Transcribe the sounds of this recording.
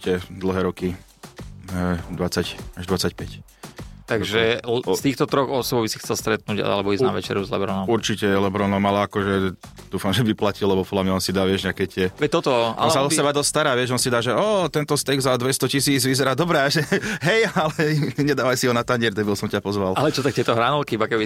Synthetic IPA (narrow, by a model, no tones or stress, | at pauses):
t͡ʃicɛd̪l̩ˠɦɛːɾɔki | ɛd̪ʋat͡sacaʒd̪ʋat͡sacpɛc | t̪aɡʒɛst̪iːxt̪ɔt̪ɾɔɣɔsɔbbisi̥xt͡sɛlst̪ɾɛt̪̚nuːɟa̰a̰lɛbɔizna̰ʋɛ̰t͡ʃɛ̰ɾuzlɛ̰bɾɔnɔmuɾt͡ʃicɛjɛlɛbɾɔnɔmalɛakɔʒɛ | d̪uːfamʒɛʋiplacilːɛbɔpɔd̪lamɲaɔnsid̪aːʋɪɛʒɲɛakɛːc̪ɪɛʋɛt̪ɔt̪ɔʔa̰lnzasɛbad̪ɔstst̪aɾaːʋɪɛʃʒɔnsid̪aːʒɛɔːt̪ɛnt̪ɔst̪ɛɡzad̪ʋɛst̪ɔcisiːd͡zʋizɛɾaːd̪ɔbɾɛaʒɛɦɛjalɛɲɛd̪aːʋajsiɦɔnat̪aɲɛɾt̪ɛbiɔsɔmcapɔzʋalalɛtt͡ʃɔt̪ak̚t̪ɪɛt̪ɔɦɾaːnɔlkiibakɛbi